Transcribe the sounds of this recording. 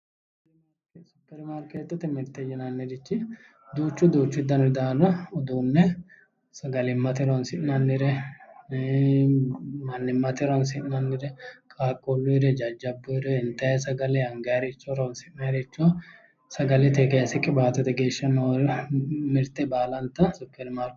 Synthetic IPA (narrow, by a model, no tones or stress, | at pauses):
m | ksʊpːɛɾmaːɾkeːt̪ːɔt̪ɛmɪɾt̪ːɛjɪnɐnːɪɾɪt͡ʃːɪ | d̪uːt͡ʃːʊd̪uːt͡ʃːɪd̪ɐnɪd̪aːɾɐɔd̪uːnːɛ | sɐɡɐlɪmːɐt̪ɪɾɔnsɪʔnɐnːɪɾɛ | mɐnːɪmːɐt̪ɪɾɔnsɪnːɐnːɪɾɛkʼaːkʼːɔlːʊɪɾɛd͡ʒɐd͡ʒːɐbːʊɾɛɪnt̪ːɐjɛsɐɡɐlɛɐŋɡɐɐɾɛt͡ʃːɔɾɐnsɪʔnɐɾɛt͡ʃːɔ | sɐɡɐlɛt̪eɡɐsɛkʼɪbaːt̪ɛt̪ɛɡeːʃːɐnoɾmɪɾt̪ːɛbaːlɐnt̪ːɐsʊpːɛɾmaːɾk